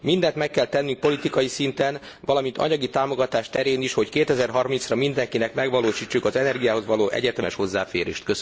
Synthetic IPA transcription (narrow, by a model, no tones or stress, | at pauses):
mind̪ɛnt̪mɛkːɛlt̪ɛnːyŋk̚po̞lit̪ikɒjisint̪ɛn | vɒlɒmint̪ɒ̰ɲɒɡit̪aːmo̞ɡɒt̪aːʃt̪ɛɾeːniʃho̞ckeːt̪ɛzɛrɦɒrmintsrɒmind̪ɛŋkinɛkmɛɡʋɒloːʃiːt͡ʃːukɒzɛnɛrɡijaːɦo̞zʋɒloːʔɛ̰ɟɛt̪ɛmɛʃho̞zːaːfḛːɾḛːʃt̪kø